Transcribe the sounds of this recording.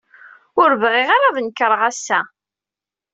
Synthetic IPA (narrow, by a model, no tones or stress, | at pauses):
ʊɾvʁiʁaɾaðnkəɾˤəʁæsːæ